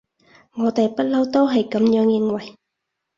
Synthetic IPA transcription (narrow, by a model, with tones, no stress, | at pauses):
ŋɔː˨˧t̪e˨jpɐ˥t̚lɐ˨˥wt̪o˥wɦɐ˨jkɐ˨˥mjœː˨˥ŋjɪ˧ŋwɐ˨˩j